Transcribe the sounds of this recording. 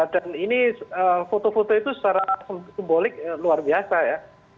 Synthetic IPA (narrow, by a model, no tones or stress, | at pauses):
daniniəfot̪ofot̪oit̪usət͡ʃaɾasəmsimbolɪk̚luarbiasaja